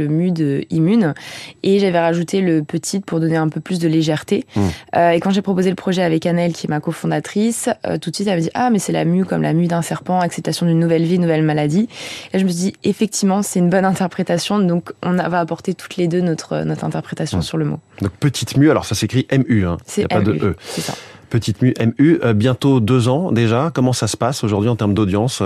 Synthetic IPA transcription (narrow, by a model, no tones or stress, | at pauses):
əmyd̪øimyneʒavɛʁaʒut̪ʰeləpət̪ʰit̪pʰuʁd̪ɔneɛ̃pøplys̬d̪əleʒɛʁt̪eøekɑ̃ʒepχɔpozeləpχɔʒɛavɛkanɛlkʲiɛmakofɔ̃d̪at̪χisø̰t̪ut̪sɥit̪ɛlmad̪iʔamɛsɛla̰mykɔmla̰myd̪ɛ̃sɛʁpɑ̃aksɛp̚t̪asjɔ̃d̪ynːuvɛlvinːuvɛlmalad̪ilaʒəməs̬id̪iefɛk̚t̪ivmɑ̃sɛt̪ynbɔnɛ̃t̪ɛʁpχet̪asjɔ̃d̪ɔ̃kɔ̃navaːpɔʁt̪et̪ʰu̥t̪led̪ønɔt̪χə̰nɔt̪χɛ̃t̪ɛʁpχet̪asjɔ̃syʁləmo̰d̪ɔ̃k̚pət̪ʰit̪myalɔ̰ʁsasekχiʔɛmyɛ̰̃sɛjaɛpad̪əʔøsɛsa̰pət̪it̪myʔɛmyøbjɛ̃t̪od̪øzɑ̃d̪eʒakɔmɑ̃sasə̥pasoʒuʁd̪ɥiɑ̃t̪ɛʁmd̪od̪jɑ̃s